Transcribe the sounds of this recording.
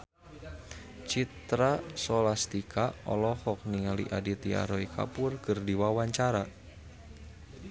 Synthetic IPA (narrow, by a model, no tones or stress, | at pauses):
t͡ʃit̪ɾasɔlast̪ikʰaɔ̰lɔhɔk̚niŋaliʔadit̪ia̰ɾɔikʰa̰pʊrkɨrdiwawaɲt͡ʃaɾa